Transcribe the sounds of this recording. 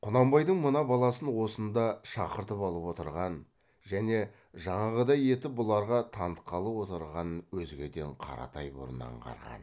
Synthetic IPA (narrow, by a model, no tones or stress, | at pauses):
qʰʊnɑmbɑjd̪əɴmənɑbɑlˠɑsənwo̞sənd̪ɑʃɑqəɾt̪əpɑlˠəpwo̞t̪əɾʁɑn | ʒæne̞ | ʒɑɴɑʁəd̪ɑje̞t̪ɪbʊlˠɑɾʁɑt̪ʰɑnt̪qːɑlˠəpwo̞t̪əɾʁɑnwɵzɡʲe̞d̪e̞ɴqʰɑ̰ɾɑ̰t̪ʰɑjbʊ̰ɾənɑ̰ɴqɑ̰ɾʁɑ̰n